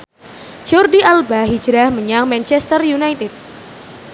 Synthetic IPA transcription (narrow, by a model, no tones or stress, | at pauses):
d͡ʒɔrdiʔalbaɦi̥d͡ʒɾahməɲaŋmɛnt͡ʃɛst̪ərjunajt̪ɪt̪̚